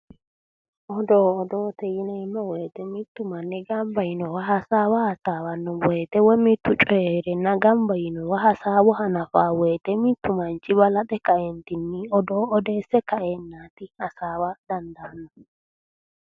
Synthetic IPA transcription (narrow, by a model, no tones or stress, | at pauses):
ʔɔd̪oːɔd̪oːt̪ɛjɪnɛmːɔweːt̪ɛmɪt̪ːʊmɐnːɪɡɐmbɐjɪnɔwɐɦɐsaːwɐhɐsaːwɐnːɔwɔjt̪ɛwɔmɪt̪ːʊt͡ʃʼɔjeɾɛnːɐɡɐmbɐjɪnɔwɐɦɐsaːwɔɦɐnɐfaːwejt̪ɛmɪt̪ːʊmɐnt͡ʃʼːɪbɐlɐt̪ɛkɐʔɛnt̪ɪnːɪɔd̪oːɔd̪eːsːɛkɐʔenːaːt̪ɪhɐsaːwɐd̪̥ɐnd̪ɐːnːɔ